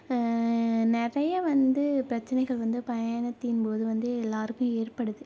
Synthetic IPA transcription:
nɪrɐjɐʋɐnd̪ɯpɪɾɐt͡ʃːɐnɐɪɣɐɭʋɐnd̪ɯpɐjaːɳɐt̪ːɪnpoːðɯʋɐnd̪ɯɛlːaːɾɯkːʊ̃eːɾpɐɽɯðɯ

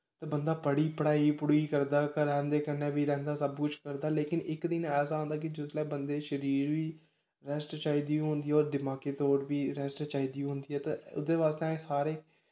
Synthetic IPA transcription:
t̪ãːbənd̪aːpəɽiːpəɽaːiːpʊɽiːkəɾd̪aːkɾɛ̃ːnd̪eːkənːẽːʋiːɾɛ̃ːnd̪aːsəbkʊt͡ʃʰkəɾd̪aːleːkɪnɪkd̪ɪnɛːs̬aːõːnd̪aːk̬ɪd͡ʒʊlɛːbənd̪eːʃəɾiːɾʋiː | ɾɛsʈt͡ʃaːiːd̪iːũːɦʊnd̪iːɛɔːɾd̪ɪmaːkeːt̪ɔːɾʋiːɾɛsʈt͡ʃaːiːd̪ĩːɦʊ̃nd̪iːɛːt̪aʊ̰d̪eːʋaːst̪eɛ̃saːɾeː

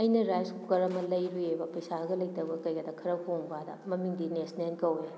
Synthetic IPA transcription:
ɐjnɐɾajskukɐɾɐmɐlɐjɾuebɐpɐjsaɡɐlɐjtɐbɐkɐjɡɐdɐkʰɐɾɐkʰowŋbadɐ̰mɐmiŋdinesnenkɐwje

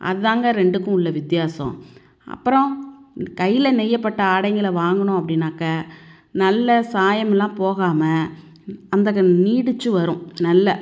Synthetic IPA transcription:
ʔɐ̰ðɯðaːŋɡɐɾɛɳɖɯkːʊ̃ʊɭːɐʋɪt̪ɪjaːsɔ̰̃ | ɐ̰pːɯɾɔ̃kɐjːɪlɐnɛjːɐpːɐʈːɐaːɽɐŋɡɐlʋaːŋɡɐɳʊ̃ɐp̬ːɐɽɪnːaːkːɐ | nɐlːɐsaːjɐmɛlːãːpoːɣaːmɐ | ɐnd̪ɐkːniːɽɯt͡ʃːɯʋɐɾʊ̃nɐlːɐ

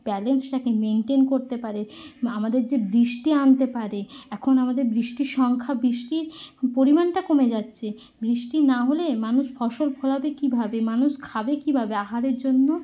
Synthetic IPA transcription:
b̥ɛlensʈakemeɳʈenkoɾt̪epaɾeamad̪eɾd͡ʑebɾiʃʈiant̪epaɾeɛkʰonamad̪eɾbɾiʃʈiɾʃɔŋkʰabɾiʃʈiɾpoɾimanʈakomed͡ʑatːɕʰe | bɾiʃʈinaɦolemanuʃbʰʱɔʃolpʰolabekibʱabemanuʃkʰabekibʱabeaɦaɾeɾd͡ʑonːo

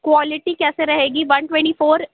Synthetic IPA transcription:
kʋɔːlɪʈikɛːseɾɐɦeːɡiʋɐ̃nʈʋɛ̃ɳʈifʰoːɾ

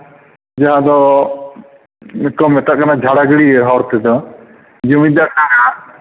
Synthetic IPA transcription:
d͡ʒaɦãd̪ɔ | mɛkɔmɛt̪aʔkanad͡ʒʱaɽaɡɽiɛɦɔɾt̪ɛd̪ɔ | d͡ʒimid̪akana

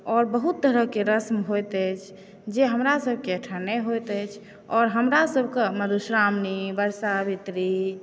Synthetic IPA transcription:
ɔːɾbəɦut̪ːəɾəɦkeɾəsmɦojt̪ət͡ʃʰ | d͡ʒeɦəmɾasəbʱkeəʈʰəneɦojt̪əjt͡ʃʰ | ɔɾɦəmɾasəbʱkeməd̪ʱusɾamnibəɾsabit̪ɾi

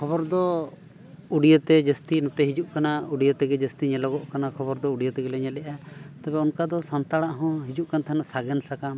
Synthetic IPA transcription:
kʰɔbɔɾd̪ɔ | uɖijət̪ɛd͡ʒəst̪inut̪ɛɦid͡ʒuʔkanauɖijət̪ɛɡɛd͡ʒəst̪iɲɛlɔɡɔʔkanakʰɔbɔɾd̪ɔuɖijət̪ɛɡɛlɛɲɛlɛʔat̪ɛbɛɔnkad̪ɔsɔnt̪aɽaʔɦɔ̃ɦid͡ʒuʔkant̪ʰaɦɛnɔsaɡɛnsakam

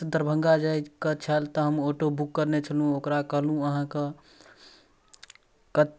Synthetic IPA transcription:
əd̪ʱəɾbʱə̃ŋɡad͡ʒajkət͡ʃʰəlt̪ɔɦəmoʈobukːəɾnet͡ʃʰəlɦũokɾakəɦlũəɦãkə | kət̪

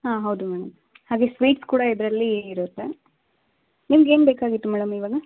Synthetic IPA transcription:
ɦaːɦɐwd̪umɛːɽɐm | haːɡe̞ːsʋiːʈskuːɽɐid̪ɾɐlːiːɾot̪ːe | nimɐɡeːnbeːkaːɡit̪ːumɛːɽɐmiʋaːɡɐ

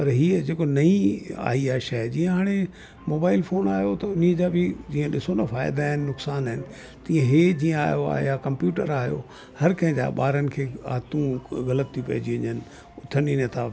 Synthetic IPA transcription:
pɐɾɦiːəd͡ʑeːkonɐĩa̰ːɦiaːɦeʃaɦed͡ʑiːə̃ɦaːɽ̃e | moːbaːɪlfoːnaːjot̪ɐʊniə̃d͡ʑaːbʱɪd͡ʑiːə̃ɗɪsonɐfaːɪd̪aːɦɪnɪnʊksaːnaɦɪnɪ̆ | t̪iːə̃ɦeːd͡ʑiːə̃a̰ːɦjoa̰ːɦḛjakɐ̃mpjuːʈəɾaːɦjo̰ | hɐɾkɐ̃ɦɪ̃d͡ʑa̰ːɓa̰ːɾənɪ̆kʰeːa̰ːt̪ũɣɐlət̪ʰːipɐ̰ɦd͡ʑiɐɲənɪ̆ | ʊt̪ʰənint̪ʰa

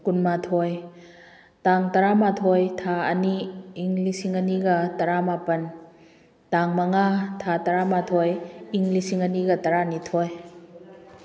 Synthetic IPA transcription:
kunmatʰoj | taŋtɐɾamatʰojtʰaɐniːŋlisiŋɐniɡɐtɐɾamapɐn | taŋmɐŋatʰatɐɾamatʰojiŋlisiŋɐniɡɐtɐɾanitʰoj

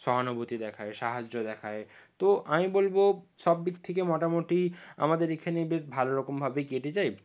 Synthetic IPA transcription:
ʃɔɦanobot̪id̪ɛkʰaeʃaɦad͡ʑd͡ʑod̪ɛkʰae | t̪oʔamibolboʃɔbːikt̪ʰekemɔʈamoʈia̰mad̪eɾekʰanebeʃbʱaloɾɔkombʱabeɡeʈet͡ɕaj

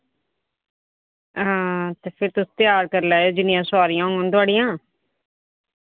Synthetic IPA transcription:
t̪eːpʰɪɾt̪ʊst̪ɪjaːɾkəɾlaːod͡ʒɪnɪjãːsʊaːɾijãːõŋɡõnt̪ʊaːɽijãː

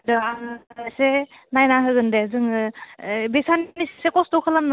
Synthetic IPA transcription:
dɯanasenajnaɦɯɡɯndezɯŋ | besannissekɔsdɔkʰɯlamn

